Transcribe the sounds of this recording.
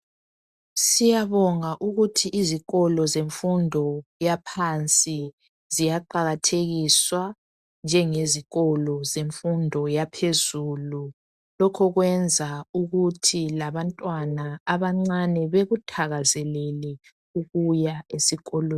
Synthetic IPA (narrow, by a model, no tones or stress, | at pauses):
sijaβɔŋaʔuɣutʰiʔːziɣɔlɔzeɱfundʱɔjapʰant͡sʼi | zijaǃaɣatʰeɣiswa | nd͡ʒʱɛŋeziɣɔlɔzeɱfundʱɔjapʰezuːlu | lɔkʰɔɣwɛnd͡zʱauɣutʰilaβantʼwanaːβaŋ͡ǀanɛβeɣutʰaɣazɛlɛlɛ | uɣujaesiɣɔlo